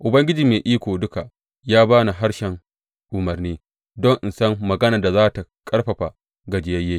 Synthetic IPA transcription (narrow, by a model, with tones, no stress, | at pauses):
ʔʊ˨bɐ˦ŋɡʲɪ˦d͡ʒiː˨meː˨ʔiː˦kʷoː˨dʊ˦ka˨ | jaː˦baː˦na˨ɦa˦ɽʃɛ˨ŋ | ʔʊ˨mɐ˨rniː˦ | dɔ˦ŋʔɪ˨nsɐ˦ŋːɐ˨ɡɐ˦nɐ˨da˨zaː˦ta˨kʼɐ˦ɽɸɐ˨ɸa˨ | ɡɐ˨d͡ʒɪ˨jɐ˦jːeː˦